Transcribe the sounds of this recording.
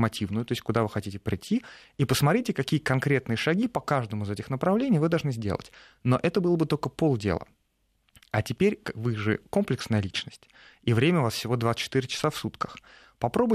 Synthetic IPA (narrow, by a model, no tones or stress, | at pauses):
mɐtʲivnʊjʊt̪o̞ɪsʲtʲkʊd̪avɨxɐtʲitʲɪpɾʲɪtʲːi | ipəsmɐt̪ɾʲitʲɪkɐkʲijəkɐnkɾʲe̞t̪nɨjəʂɐɡʲipɐkaʐd̪əmʊɪzɛtʲɪxnəpɾɐvlʲenʲɪjvɨd̪ɐlˠʐnɨzʲdʲe̞̰lˠə̰tʲ | no̞̰ʔɛt̪əbɨlˠəbɨt̪olʲkəpo̞lˠdʲḛlˠə̰ | ɐtʲɪpʲeɾʲkvɨʐɨ̰ko̞mplʲɪksnəjəlʲit͡ɕnəsʲtʲ | ivɾʲemʲəʊvasfsʲɪvo̞d̪vat̪sɨ̥t͡ɕːɪt̪iɾʲɪt͡ɕɪ̥safsut̪kə̥x | pɐpɾo̞bʊj